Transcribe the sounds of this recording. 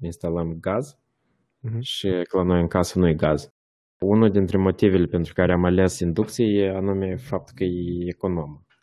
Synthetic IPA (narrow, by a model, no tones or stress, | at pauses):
inst̪aləmɡaz | ʃiklano̞jɨŋkasnujeɡaz | unuld̪int̪ɾemo̞t̪ive̞lʲe̞pe̞nt̪ɾukaɾeamalesind̪uk̚t̪sijejeanume̞fap̚t̪ukəjeːko̞no̞mə